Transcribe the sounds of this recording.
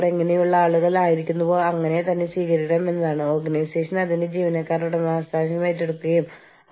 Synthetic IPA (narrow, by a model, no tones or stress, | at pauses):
ɽeŋːɐnejuɭːɐaːɭuɣɐɭaːjiɾikʲːunːupo̞ːɭɐŋːɐnet̪ɐnːesʋiːɣɐɾikʲːɽɐːme̞nːɐðaːɳɨo̞ːrɡɐnɐjse̞ːʂɐnɐðinded͡ʑiːʋɐnɐkːaːɾuɽemaːst̪aːɕɐmaːjitːe̞ɽukːuɣɐjum